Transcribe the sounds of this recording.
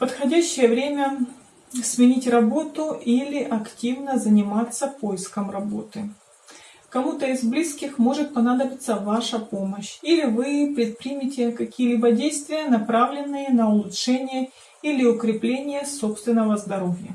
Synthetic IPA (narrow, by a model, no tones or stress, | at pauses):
pət̪xɐdʲæɕːɪjəvɾʲemʲə | smʲɪnʲitʲrɐbo̞t̪ʊʔilʲɪʔɐktʲivnəzənʲɪmat̪sːəpo̞jɪskəmrɐbo̞t̪ɨ | kɐmut̪əɪzblʲiskʲɪxmo̞ʐɨt̪̚pɐnad̪əbʲɪt̪səvaʂəpo̞məɕilʲɪvɨpɾʲɪt̪̚pɾʲimʲɪtʲɪkɐkʲijəlʲibədʲejst̪vʲɪjənɐpɾavlʲɪnːɨjənəʊlˠʊtʂɛnʲɪjə | ilʲɪʊkɾʲɪplʲenʲɪjəso̞pst̪vʲɪnːəvəzd̪ɐɾo̞vʲjə̰